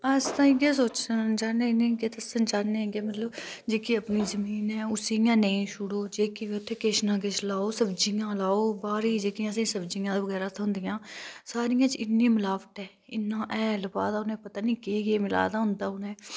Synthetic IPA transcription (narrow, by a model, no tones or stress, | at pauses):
əst̪ãːɪɡeːsoːt͡ʃsənt͡ʃaːnenĩːɡeːt̪əsənt͡ʃaːneɡemət̪ləbd͡ʒeːkiəpniːzəmiːnɛ̃ːʊsijãːnəĩːʃʊɽoːd͡ʒeːkiʋeːʊt̪ʰːeːkeʃnãːk̬et͡ʃlaːoːsəbd͡ʒijãːlaːoːbaːɾiːd͡ʒeːkijãːsĩːsəbd͡ʒijãːd̪aːʋəɡɛːɾaːt̪ʰːɦʊ̃nd̪ɪjãːsaːɾɪjãːt͡ʃɪnːĩːmʊlaːʋəʈ̪ɛː | ɪnːãːʔɛ̃ːləba̰ːd̪aːʊnẽːpət̪aːnĩːkeɡeːmɪla̰ːd̪aːɦʊ̃nd̪aːʊnẽː